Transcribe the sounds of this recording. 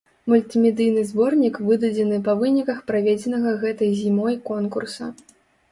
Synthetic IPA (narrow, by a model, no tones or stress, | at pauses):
mulʲt̪ɨmʲɛd̪ɨjnɨzbɔrnʲikvɨd̪ɐd͡zʲɛnɨpɐvɨnʲikɐxpɾavʲed͡zʲɛnɐɣɐɣɛt̪ɐjzʲimɔjkɔnkursɐ